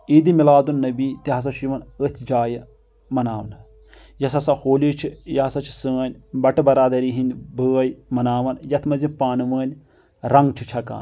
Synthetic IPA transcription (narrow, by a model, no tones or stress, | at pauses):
id̪imilaːd̪unːɐbiːt̪iɦɐs̬ɐʃiʋɐnət̪ʰid͡ʒaːjɐ | mɐnaːʋɐn | jɐsɐsahoːlʲit͡ʃʰijɐɦɐsɐt͡ʃʰi̥səːnʲbɐʈɨbɐɾaːd̪ɐɾiɦinʲbəːɐjmɐnaːʋɐnjɐt̪ʰmɐzipaːnɨʋəːnʲ | ɾɐŋɡt͡ʃʰit͡ʃʰɐka̰ːn